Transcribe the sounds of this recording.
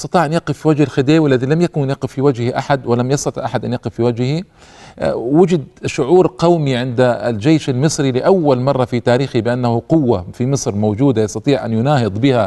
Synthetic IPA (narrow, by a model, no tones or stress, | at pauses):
jɑst̪ɑt̪ˤiːʕʔanjaqɪfːiwad͡ʒhɪlxɪd̪eːwɪlːaðilamjakʊnnjaqɪfːiwad͡ʒhhiʔaħad̪wɪlamjɑst̪ɑt̪ˤiʕʔaħad̪ʔanjaqɪfːiwad͡ʒhi | wɪd͡ʒɪd̪ʃʊʕuːɾqɑwmiʕɪnd̪a̰ld͡ʒeːʃalmɨsˤɾilɪʔawːalmɑrˤːɑfit̪aːɾiːxibɪʔanːahʊqʊwːafimɨsˤɾmowd͡ʒuːd̪ajɑsˤt̪ɑt̪ˤiːʕʔa̰njʊnaːhɨd̪ˤbɪha